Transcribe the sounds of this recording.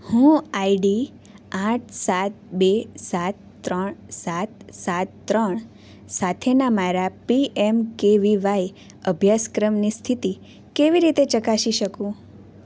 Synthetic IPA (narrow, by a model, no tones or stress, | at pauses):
hũaiɖi | ãʈ̚ʰsat̪̚besat̪̚ː | ɾəɳsat̪̚sat̪ːɾəɳ̃ | sat̪ʰenamaɾapiʔemkeʋiʋaj | əbʱjaskɾəmnist̪ʰit̪i | keʋiɾit̪et͡ʃəkaʃiʃəkũ